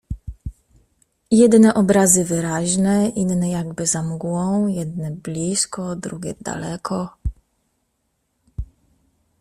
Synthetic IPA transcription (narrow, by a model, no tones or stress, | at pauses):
jɛd̪nɛʔɔbɾazɘvɘɾaʑnɛʔinːɛjaɡbɘzamɡwɔ̃w̃jɛd̪nɛblʲiskɔd̪ɾuɡʲɛd̪a̰lɛkʰɔ